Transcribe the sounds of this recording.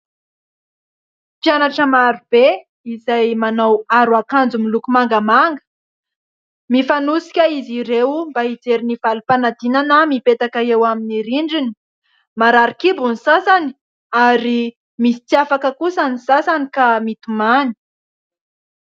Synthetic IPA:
pjanaʈ͡ʂəmaɾub̥e | izajmanawaɾuakand͡zumilukumaŋɡəmaŋɡə̥ | mifanusi̥kʲəiziɾewmbaid͡zeɾinivalupanad̪inanəmipet̪akaewaminiɾiɳɖ͡ʐini̥ | maɾaɾikibunisasani̥ | aɾi | misi̥t͡siafakəkusanisasanikamit̪umani̥

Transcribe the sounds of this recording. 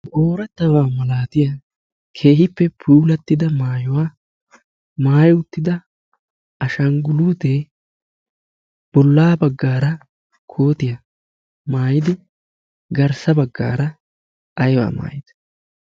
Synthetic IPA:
ʔoːɾɛt̪ːɐwaːmɐlaːt̪ɪja | kʰe̞ːɦɪpːɛpʰuːlɐt̪ːɪd̪ɐmaːjʊwaː | maːjʊt̪ːɪd̪ɐ | ʔɐʃɐŋɡʊluːt̪eː | b̥ɔlːaːbɐɡːaːɾɐ | kʰoːt̪ɪjɐ | maːjɪd̪ɪ | ɡɐɾsɐbɐɡːa̰ːɾɐ | ʔɐjwa̰ːma̰ːjɪd̪ɐ̥

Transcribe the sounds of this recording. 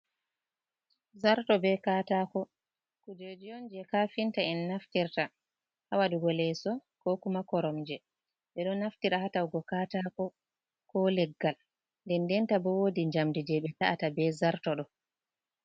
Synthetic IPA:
zaɾtɔbɛkatakɔ | kud͡ʒod͡ʒijɔnd͡ʒɛkafintaɛnːaftiɾta | hawaduɡɔlɛsɔkɔkumakɔɾɔmd͡ʒɛ | ɓɛɗɔnːaftiɾahatawɡɔkaːtakɔ | kɔlɛɡːal | ndɛndɛntabɔwodiɲd͡ʒamdid͡ʒɛɓɛtaatabɛzaɾtɔɗɔ

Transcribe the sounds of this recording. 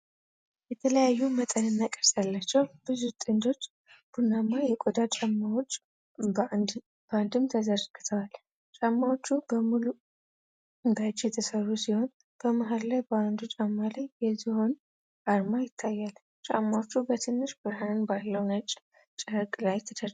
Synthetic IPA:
jɛt̪ʰələjajːumət̪ʼənɨnːakʼəɾsalːat͡ʃːɛwb̥ɨzut̪ʼɨnd̪o̞t͡ʃː | b̥unamːajɛkʼod̪at͡ʃʼamːawot͡ʃʼː | b̥əand̪ɨmt̪ʰəzərɡ̥ɨt̪ʰəwal | t͡ʃʼamːawot͡ʃːubəmulu | ɨnd̪at͡ʃʼːjɛt̪ʰəsərːusiho̞n | b̥əmaɦallajbəand̪ut͡ʃʼamːalajːɛziho̞n | ʔaɾmajɪt̪ʰːajːal | t͡ʃʼamːawot͡ʃːubət̪ʰɨnːɨʃbɨɾhanɨnbalːəwnat͡ʃʼː | t͡ʃʼəɾkʼlajt̪ʰəd̪əɾ

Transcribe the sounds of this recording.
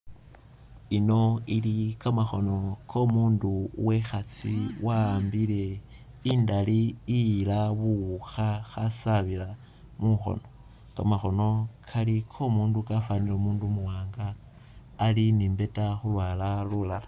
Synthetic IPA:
ino̞ilikamaxo̞no̞kʰo̞muːnduwexat͡siwaːmbile̞ | indaliːlaβuuxaxasaβila | muxo̰no̞ | kamaxo̞no̞kʰalikʰo̞muːndukafanilomuːndumuwaːŋɡaː | linimbe̞taxulwaːlalulala

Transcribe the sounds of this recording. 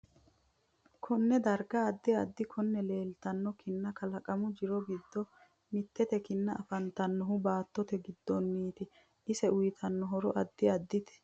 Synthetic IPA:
kʰɔnːɛd̪ɐɾɡɐːd̪ːɪɐd̪ːɪkʰɔnːɛleːlt̪ɐnːɔkɪnːɐkɐlɐkʼɐmʊd͡ʒɪɾɔɡɪd̪ːɔ | mɪt̪ːɛt̪ɛkɪnːɐʔɐfɐnt̪ɐnːɔɦʊbaːt̪ːɔt̪ɛɡɪd̪ːɔnːiːt̪ɪ | ʔɪsɛʊjt̪ʰɐnːɔɦɔɾɔʔɐd̪ːɪɐd̪ːɪt̪ɛ̥

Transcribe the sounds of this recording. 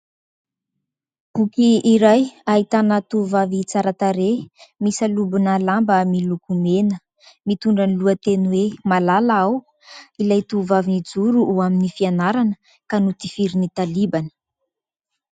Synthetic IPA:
pukiːɾajaɦit̪anət̪uvavit͡saɾat̪aɾemisalubunalambmilukumenə | mit̪uɳɖ͡ʐaniluət̪enuwemalalaaw | ilajt̪uvavinid͡zuɾuːaminifianaɾanə | kanut̪ifiɾinit̪alibanə̥

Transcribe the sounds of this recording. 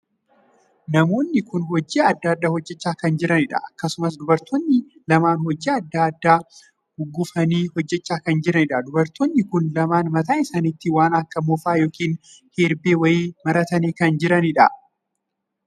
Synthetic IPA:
nɐmo̞ːnːɪkʊnɦɔd͡ʒːiːɐd̪ːaːd̪ːaːhɔd͡ʒːɛt͡ʃːaːkɐnd͡ʒɪɾʔɐnɪᶑɐ̰ʔɐkːɐsʊmɐs̬d̪ʊbɐɾt̪onːɪ | lɐmaːnhɔd͡ʒiːɐd̪ːaɐd̪ːaː | hʊɡːʊfɐniːhɔd͡ʒːɛt͡ʃːaːkɐnd͡ʒɪɾɐnɪᶑɐd̪ʊbɐɾt̪onːɪkʊnlɐmaːnmɐt̪aːɪsaːnit̪ːɪwaːnɐkːɐmɔfaːjo̞ːkiːn | heːɾbeːwɐjiːmɐɾɐt̪ɐniːkɐnd͡ʒɪɾɐnɪᶑɐ̰

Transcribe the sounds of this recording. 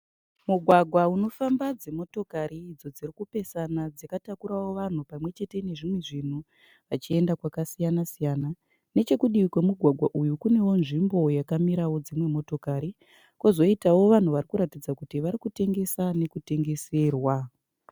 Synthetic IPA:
muɡʱwaɡʱwauno̞fambad͡zemo̞to̞kaɾiːd͡zo̞d͡zirikupe̞sanad͡zakatakuɾawo̞ʋan̤upamwe̞t͡ʃe̞te̞ne̞ʐimwe̞ʐin̤u | ʋat͡ʃie̞ndakwakasijanasijaːna | ne̞t͡ʃe̞kuɗikwe̞muɡʱwaɡʱwaʔujukune̞wo̞nʐimbo̞jakamiɾawo̞d͡zimwe̞mo̞to̞kaɾi | kozo̞itawo̞ʋan̤uʋarikuɾatid͡zakutiʋaɾikute̞ŋɡe̞sane̞kute̞ŋɡe̞se̞ːrwa

